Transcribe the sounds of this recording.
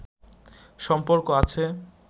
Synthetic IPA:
ʃɔmpoɾkoat͡ɕʰe

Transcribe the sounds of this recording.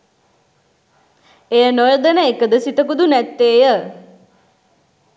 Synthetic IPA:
ejənojəd̪ənəekəd̪əsit̪əkud̪unæt̪ːeːjə

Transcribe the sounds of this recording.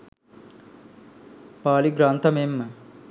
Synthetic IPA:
paːliɡɾaːnt̪ɐmeːmːɐ

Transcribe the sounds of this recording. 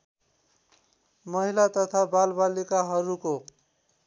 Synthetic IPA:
mʌɦilat̪ʌt̪ʰabalbalikaɦʌɾuko

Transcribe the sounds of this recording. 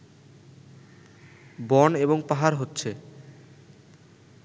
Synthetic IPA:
bɔneboŋpaɦaɾɦotːɕʰe

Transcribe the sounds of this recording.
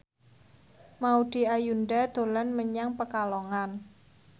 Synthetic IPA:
mauɖ̪̥i̤ajunɖad̪̥o̤lanməɲaŋpəkalɔŋan

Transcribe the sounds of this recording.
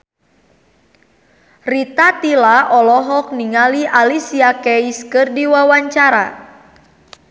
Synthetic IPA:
rit̪at̪ilaʔɔlɔɦɔk̚niŋaliʔalisiakɛiskɨrdiwawaɲt͡ʃaɾa̰

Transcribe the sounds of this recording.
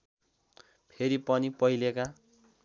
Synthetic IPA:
pʰeɾipʌnipʌileka

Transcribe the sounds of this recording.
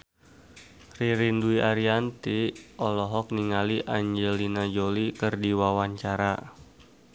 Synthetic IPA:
riɾinduiʔaɾiant̪iɔlɔɦɔk̚niŋaliʔaɲd͡ʒɛlinad͡ʒolikərdiwawaɲt͡ʃaɾa

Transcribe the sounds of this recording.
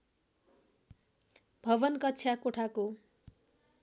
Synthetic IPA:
bʱʌbʌnkʌtːsʰjakoʈʰako

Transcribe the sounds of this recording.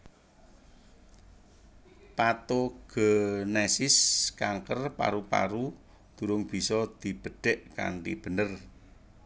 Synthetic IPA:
pat̪oɡ̥ənesɪskaŋkərpa̰ɾupa̰ɾu | d̪̥ṳɾʊŋb̥i̤sɔd̪̥i̤b̥ə̤ɖ̥ɛ̤ʔka̰nt̪ḭb̥ə̤nər

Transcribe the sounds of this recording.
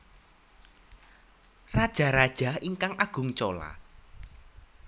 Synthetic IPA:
rad̥ʒ̥a̤ɾad̥ʒ̥a̤iŋkaŋʔaɡ̥ʊ̤ŋt͡ʃola̰

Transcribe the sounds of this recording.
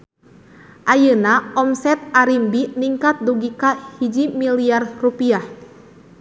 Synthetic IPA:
ʔajənaɔmsɛt̪̚aɾimbiniŋkat̪̚duɡikahid͡ʒimiliarrupiah

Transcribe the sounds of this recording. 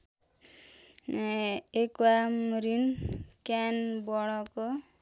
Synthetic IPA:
ekuamɾinkanbɔɭɔkɔ

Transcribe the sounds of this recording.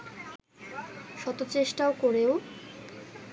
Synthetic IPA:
ʃɔt̪ot͡ɕeʃʈaokoɾeo

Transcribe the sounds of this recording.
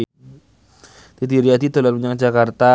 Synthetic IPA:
t̪id̪iɾiad̪it̪olalmuɲaŋd͡ʒakart̪a

